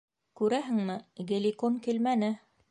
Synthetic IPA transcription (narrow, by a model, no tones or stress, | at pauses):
kʉɾæɦɘ̆ŋmɘɡĕlikonkilmænɘ